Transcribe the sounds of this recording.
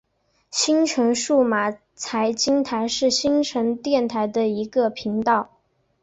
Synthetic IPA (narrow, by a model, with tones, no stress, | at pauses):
ɕi˥nʈ͡ʂʰɤ˧˥ŋʂu˥˩ma˨˩ | t͡sʰa˧˥ɪt͡ɕi˥ŋt̪ʰa˧˥ɪʂɻ̩˥˩ɕi˥ŋʈ͡ʂʰɤ˧˥ŋt̪jɛ˥˩nt̪ʰa˧˥ɪd̪ə˧i˧˥ɡə˧pʰi˧˥ŋt̪ɑ˥˩ʊ